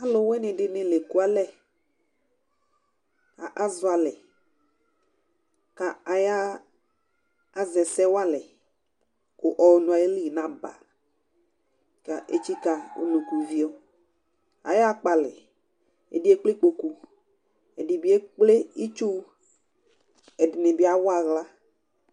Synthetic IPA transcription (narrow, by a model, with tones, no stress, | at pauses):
a˦lʊ˨wɛ˦nɪ̃˨dɪ˨nɪ̃˨le˨ku˦a˦lɛ˦ | a̰˨ʔa˦zʊ˨˦a˨lɛ˨ | ka˨a˨ja˦ | a˨zɛ˨sɛ˦wa˦lɛ˨ | ko˨ʔɔ˨wnũ˨a˨je˦li˦i˨nã˦ba̰˨ | ka˨ʔḛ˦t͡ʃi˦ka˨o̰˨nũ˨ku˨vi˦o˦ | a̰˨ja˦k͡pa˨lɛ̰˨ | ḛ˨di˦e˦k͡ple˦k͡po˨ku˦ | e˨di˨bi˦e˦k͡ple˦i˦t͡ʃu˦ | ɛ˨di˨ne˨bi˦a˨wɔ˦a˨ɣla˦